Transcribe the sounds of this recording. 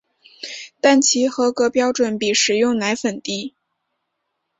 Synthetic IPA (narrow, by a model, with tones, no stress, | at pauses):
t̪a˥˩nt͡ɕʰi˧˥xɤ˧˥kɤ˧˥pjɑ˥ʊʈ͡ʂwə˨˩npi˨˩ʂɻ̩˨˩jʊ˥˩ŋna˧˥ɪfə˨˩nt̪i˥˩